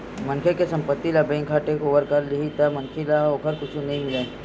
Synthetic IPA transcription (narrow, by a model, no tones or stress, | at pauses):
mɐ̃nkʰekesɐ̃mpət̪ːilabẽːŋkʰːaːʈekoːʋəɾkɐɾleɦit̪amɐnkʰelaoːkəɾkʊt͡ʃʰũnɐɦĩmɪlẽː